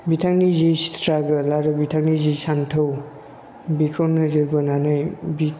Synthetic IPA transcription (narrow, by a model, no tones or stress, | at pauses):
bitʰaŋnizistʰɾaɡɯlaɾɯbitʰaŋnizisantʰɯw | bikʰonːɯzɯɾbɐnanajbi